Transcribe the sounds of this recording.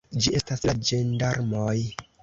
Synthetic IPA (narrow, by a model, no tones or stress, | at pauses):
d͡ʒie̞staslad͡ʒendaɾmoj